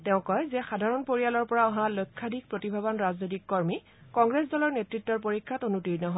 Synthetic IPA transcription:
tɛʊ̃kɔjzɛxadʱaɹɔnpoɹijalɔɹpɔɹaɔɦãlojkʰːadʱik̚pɹotibʱabɔnɹaznojtikːɔɹmi | kɔŋɡɹesdɔlɔɹnetɹitːɔɹpoɹikʰːatonutiɹnɔɦɔ

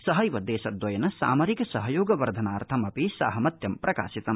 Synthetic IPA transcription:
sɐɦɐjʋɐd̪ɛːʃɐd̪ʋɐjɐnɐsa̰ːmɐɾikɐsɐɦɐjoːɡɐʋɐɾd̪ʱɐnaːɾt̪ʰɐmɐpisaːɦɐmɐt̪jɐmpɾʔɐka̰ːsit̪ɐm

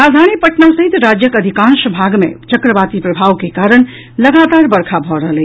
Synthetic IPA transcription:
ad̪ʱañipəʈnasəɦit̪ɾad͡ʒjəkəd̪ʱikãnsəbʱaɡmḛt͡ʃəkɾəbat̪ipɾəbʱawkekaɾəɳ̃ | ləɡat̪aɾbəɾkʰabʱɔɾəɦəle

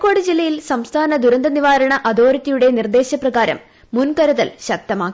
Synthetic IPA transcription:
kːo̞ːɽɨd͡ʑilːɐjilsɐmst̪ʰaːnɐd̪uɾɐnd̪ɐniʋaːɾɐɳɐʔɐd̪o̞ːɾɐtːɐjuɽe̞nird̪e̞ːɕɐprɐɣaːɾɐ̰mː | unkɐɾɐðɐlɕɐk̚t̪ɐmaːkːi

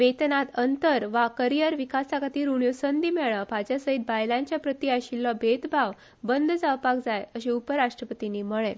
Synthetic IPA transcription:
ʋet̪nat̪ənt̪əɾʋakəɾijəɾʋikasakat̪iːɾuɳjosənd̪iːmɛɭapad͡ʑjasəit̪̚bajlãɲt͡ɕjapɾət̪iaɕilːɔbet̪bʱaʋ | bənd̪ʱd͡zaʋpakd͡zajəɕeupəɾaʂʈɾəpət̪iniːməɭẽ

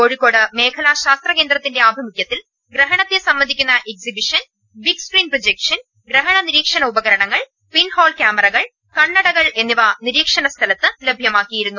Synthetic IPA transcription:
koːɻikːo̞ːɽɨme̞ːkʰɐlaɕaːst̪rɐke̞ːnd̪ɾɐt̪ːinde̞aːbʱɐmikʲjɐt̪ːil | ɡɾɐɦɐɳɐt̪ːesɐmːɐnd̪ʱikʲːunːɐʔeksibiʂɐn | bikskriːnprod͡ʑekʂɐn | ɡɾɐɦɐɳɐniɾiːkʂɐnɐubɐɣɐɾɐɳɐŋːɐɭ | pinhoːlkʲjaːmɐɾɐɣɐɭ | kɐɳːɐɽɐɣɐɭe̞nːiʋɐniɾiːkʂɐnɐst̪ʰɐlɐt̪ːɨlebʱjɐmaːkːijiɾunːu

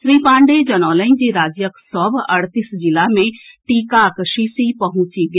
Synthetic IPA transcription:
sɾiːpãːɳɖeːd͡ʒənɔ̃ːləĩd͡ʒiːɾaːd͡ʒjəksɔːbəɽt̪iːsd͡ʒɪlaːmẽʈiːkakəʃiːsiːpəɦʊ̃t͡ʃiːɡe

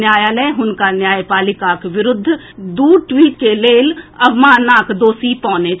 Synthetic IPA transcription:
jaːjaːləːɦʊnkanjaːjpaːlɪkaːkʋɪɾʊd̪ʱː | d̪uːɾʈwiːʈ̚keleːlɐbmaːnːaːkd̪oːsipɔ̃ːne

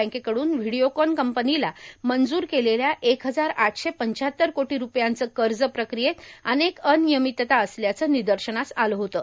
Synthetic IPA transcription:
ə̃kekəɽuːnʋiɽiokɔnkəmpənilamənd͡zuːɾkeleljaʔekɦəd͡zaɾaʈʰɕepəɲt͡ɕaɦət̪ːəɾkoʈiːɾupjant͡səːkəɾd͡zəpɾəkɾijet̪ənekənijəmit̪ːət̪aəsljat͡səːnid̪əɾɕəɳasaləɦot̪əː

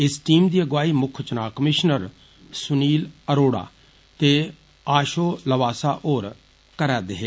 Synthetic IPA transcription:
ɪsʈiːmd̪iːəɡaːiːmʊkʰt͡ʃənaːkəmɪʃnəɾ | sʊniːləɾoːɽa̰ː | t̪eː | aːʃoːləʋaːsaːʔoːɾ | kəɾɛːd̪ɪɦeː

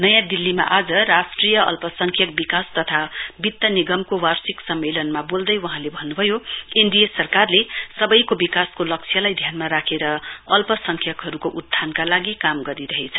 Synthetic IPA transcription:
nʌjãd̪ilːima̰ʔad͡zʌrasʈrijʌʌ̰lpʌsʌŋkʰjʌk̚bikast̪ʌt̪ʰabit̪ːʌniɡʌmkowarsiksʌmːelʌnmabold̪ʌjwʌɦãlebʱʌnːubʱʌjoind̪ijesʌrkarlesʌbʌjkobikaskolʌk̚t͡sʰjʌlajd̪ʱjanmaɾakʰeɾʌʌlpʌsʌŋkʰjʌkɦʌɾukoʔud̪ʱːankalaɡikamɡʌɾiɾʌɦet͡sʰʌ̥

